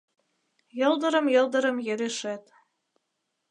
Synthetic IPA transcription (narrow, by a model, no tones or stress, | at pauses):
jɤ̆lˠd̪ɤ̆ɾɤ̆mjɤ̆lˠd̪ɤ̆ɾɤ̆mjĕɾeʃet̪